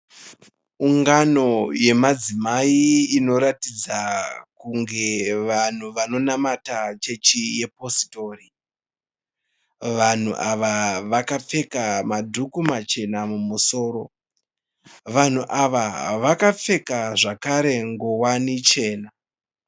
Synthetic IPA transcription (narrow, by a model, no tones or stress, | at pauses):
uŋɡano̞je̞mad͡zimaiːno̞ɾatid͡zakuŋɡe̞ʋan̤uʋano̞namatat͡ʃe̞t͡ʃije̞po̞si̥to̞ːri | ʋan̤ṵʔaʋaʋakap͡fe̞kamadʱukumat͡ʃe̞namumuso̞ːɾo̞ | ʋan̤uʔaʋaʋakap͡fe̞kaʐakaɾe̞ŋɡowanit͡ʃe̞ːna